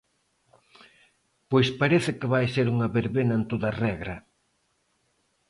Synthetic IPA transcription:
pojspaɾeθɪkɪβajseɾuŋɐβeɾβenɐent̪oðɐrɛɣɾɐ

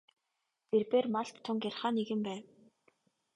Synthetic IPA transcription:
erpeːrmaɮt̪t̪ʰːʊŋkarχaːneɣɘ̆mpæːw

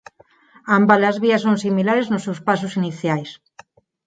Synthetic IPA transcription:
ambalazβiasonsimilaɾeznʊsewspasʊsiniθjajs

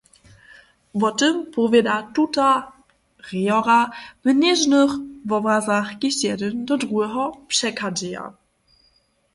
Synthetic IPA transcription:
vɔtɘmpɔvʲjɛdatuta | ʁijɔɾavnɛʐnəxvɔbɾazaxɡʲiɕjɛdɘnd̪ɔdʁuɛɦɔpʂɛkad͡ʑɛja̰

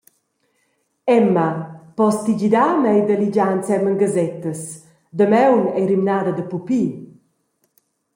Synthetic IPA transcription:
ɛmːapɔst̪id͡ʒid̪amɛjd̪əlid͡ʒant͡sɛməŋɡəzɛt̪əs | d̪əmɛwnɛjɾimnaːd̪əd̪əpupi

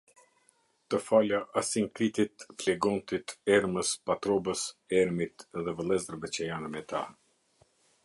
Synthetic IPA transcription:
t̪əfalaʔasiŋkɾit̪it̪flɛɡɔnt̪it̪ɛɾməspat̪ɾɔbəsɛɾmit̪ðɛvəlˠɛzəɾbɛt͡ɕɛjanəmɛt̪a̰

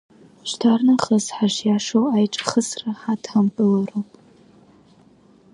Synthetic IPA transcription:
ʃtʰaːrnɨχɐzħaʃjaːʂowajʈ͡ʂʼχəsrɐħatʰambʼɨlɐrowpʼ

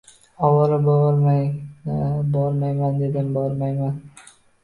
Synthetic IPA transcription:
ɒwɒɾabɾ | bɒɾmajmand̪ed̪ɪmbɒɾmajman

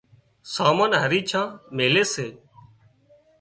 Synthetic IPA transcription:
saːmaːnɦəɾiːt͡ʃʰãːmeːleːseː

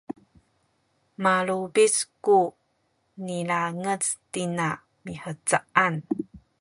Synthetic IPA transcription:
malubisku | nilaŋət͡stina | miħət͡saʔan

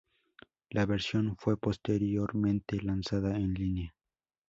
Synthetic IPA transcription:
laβe̞ɾsjo̞nfwe̞po̞st̪eɾjo̞ɾmẽnt̪e̞lansaðaenlinea

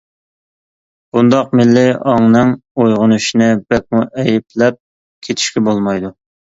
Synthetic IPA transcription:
b̥und̪ɑqmɪlːɪɑŋnɨŋojʁʊnuʃinɨbɛk̚muʔɛjiplɛp̚ | kʲʰet̪ʰi̥ʃkʲɛbolˠmɑjd̪u

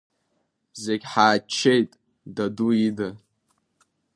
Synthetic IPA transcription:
bzeɡʲħaːt͡ʃʰːe̞jtʼ | daduida

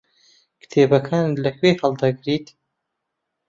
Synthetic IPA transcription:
kɨ̥t̪ʰeːbɐkʰaːnlɐkʰweːhəld̪aɡɨɾit̪

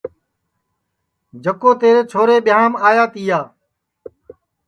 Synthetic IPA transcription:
d͡ʒəkoːt̪eːɾeːt͡ʃʰoːɾeːɓɪjaːmaːjaːt̪iːjaː

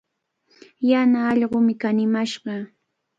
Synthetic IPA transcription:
janaːʎɢomɪkanɪmaʃɢɑ

